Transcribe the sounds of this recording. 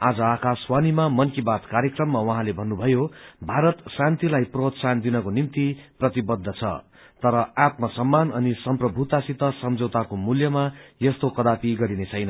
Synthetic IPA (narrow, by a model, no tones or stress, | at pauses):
ad͡zʌakaswanimamʌnkibat̪kaɾjekrʌmːawʌɦãlebʱʌnːubʱʌjobʱaɾʌt̪sãnt̪ilajprot̪sand̪inʌkonimt̪iprʌt̪ibʌd̪ʱːʌt͡sʰʌ̰ | t̪ʌɾʌat̪mʌsʌmːanʌnisʌmprʌbʱut̪asit̪ʌsʌmd͡zʌwt̪akomuljʌmajʌst̪okʌd̪apiɡʌɾinet͡sʰʌjnʌ